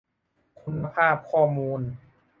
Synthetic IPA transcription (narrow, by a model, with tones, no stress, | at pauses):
kʰu˧nːa˧pʰaː˥˩p̚kʰɔː˥˩muː˧n